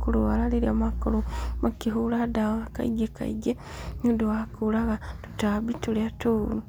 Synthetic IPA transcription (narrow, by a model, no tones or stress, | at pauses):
kulualaliɾiamakolumakiɦuladaɣaka̰ḭɡeka̰ḭɟe | nuduwakulaɣatu̥tabituliatuːnu